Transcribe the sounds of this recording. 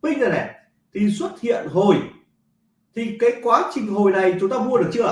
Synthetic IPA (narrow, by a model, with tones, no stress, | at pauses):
mï˧ŋla˨˩nɛ̰˨˧˩ | t̪ʰi˨˩swə˦˥t̚hḭ˧˨ənɦo˨˩j | t̪ʰi˨˩kaː˨˦jkwaː˨˦t͡ɕï˧ŋ̟ɦo˨˩jna˨˩jt͡ɕʊ˨˦ŋ͡mt̪aː˧mu˧ə˧ɨ˨˩k̚t͡ɕɨ˧